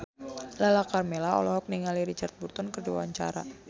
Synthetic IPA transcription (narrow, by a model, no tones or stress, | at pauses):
lalakarmɛlaɔ̰lɔɦɔk̚niŋaliɾit͡ʃart̪̚burt̪ɔnkərdiw̰a̰ɲt͡ʃa̰ɾa̰